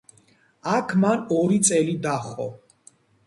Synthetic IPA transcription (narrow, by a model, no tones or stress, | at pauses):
akʰmanɔɾit̪sʼɛlid̪aχɔ̰